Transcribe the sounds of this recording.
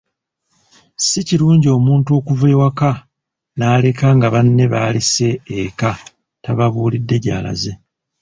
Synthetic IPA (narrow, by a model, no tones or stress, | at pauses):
siciɾuːɲɟio̞ːmuːntuo̞ːkuveːwaka | naːle̞kaŋɡaβanːe̞βaːlise̞ːka | taβaβuːlidːe̞ɟa̰ːla̰ze̞